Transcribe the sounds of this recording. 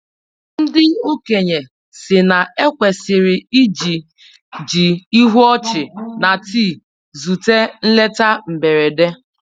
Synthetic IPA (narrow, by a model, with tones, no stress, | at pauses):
n̩˦dɪ˦u˦ke˨ɲe˨ | sɪ˨na˨e˦kʷe˨sɪ˨ɾɪ˨i˦d͡ʒi˨ | d͡ʒi˨i˦ɦu˦ɔ˦t͡ʃɪ˨na˨ti˦˨ | zu˨te˦n̩˦le˦ta˦m̩˨be˨ɾe˨de˦